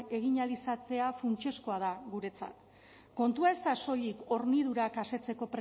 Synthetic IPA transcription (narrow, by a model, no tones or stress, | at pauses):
e̞ɣ̞iɲalisat͡se̞afunt͡ʃe̞skoaðaɣuɾe̞t͡sa̰t̪ | ko̞nt̪uae̞st̪aso̞ʎiko̞ɾniðuɾakase̞t͡se̞ko̞pɾ